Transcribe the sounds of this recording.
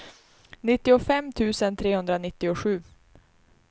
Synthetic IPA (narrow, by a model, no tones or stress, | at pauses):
nɪt̪ːɪʊfɛmːt̪ʰʉ̟ːsənt̪ʰɾeːhɵnd̪ɾanɪt̪ːɪʊɧʉ̟ː